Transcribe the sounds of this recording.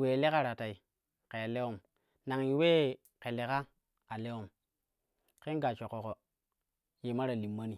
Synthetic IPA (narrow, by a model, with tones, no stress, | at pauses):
we˨le˦ka˦ɾa˨ta˨i˨ | ke˨a˨le˦wo˦˨m | na˨ŋji˨weː˦˨ | ke˨le˨ka˦ | a˨le˦o˨m | ke˦nɡa˨t͡ʃo˨ko˨ko˨ | je˨ma˦ɾa˨li˨mːa˦ni˨